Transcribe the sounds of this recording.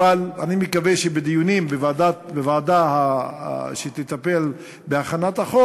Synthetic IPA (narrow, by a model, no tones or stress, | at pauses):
alanimekaveʃebed̪ijunimbevad̪abevaːd̪aha̰ | ʃet̪et̪ape̞l | beaχanat̪haχo